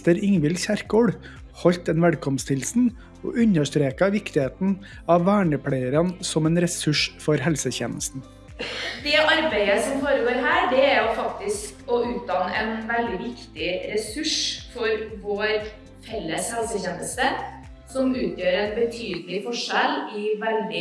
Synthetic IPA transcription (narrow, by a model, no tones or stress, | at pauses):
t̪əɾɪŋʋɪlçæɾkoːɽ | hɔʎt̪ɛnʋɛlkʰɔmst̪ʰɪlsn̩ | o̰ːʔʉɲəʂt̪ɾeːkɑʋɪkt̪ɪheːt̪n̩ | ɑʋʋæːɳəpʰɽeɪəɾənsɔmɛːnɾɛsʉʂfɔɾhɛlsəçɛ̰ːnəst̪n̩ | d̪ɛʔɑɾbeɪəsɔmfoːɾəɡoːɾɦæːɖɛæɾjʊfɑkt̪ɪskɔʉːt̪̚d̪ɑːnəʔɛnʋɛld̪ɪʋɪkt̪ɪɾɛsʉʂfɔɾʋoːɾ | fɛlːəshɛlsəçeːnəst̪ə | sɔmʉːt̪jøːɾɛnbət̪ʰyːd̪l̩ɪfɔʂɛlɪʋælɖ̪ɪ